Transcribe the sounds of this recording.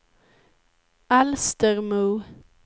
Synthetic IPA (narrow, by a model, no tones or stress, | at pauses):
ælst̪əʁmʉː